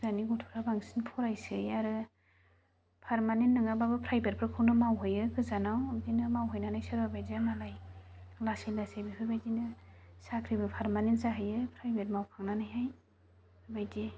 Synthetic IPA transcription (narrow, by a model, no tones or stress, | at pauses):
zaniɡutʰu̥ɾabaŋsinpʰɔɾajsɯjaɾɯ | pʰaɾmanenːɯŋababɯpʰɾajbeɾ̚pʰɾɯkʰɯwnɯmawɦɯjɯkʰɯzanawdinɯmawɦɯjnanajsɯɾbabajzemalaj | lasilasajbihʰɯjbajdinɯsakʰɾibɯpʰaɾmanentsaɦajɯpʰɾajbet̚mawpʰaŋnanajɦaj | bajze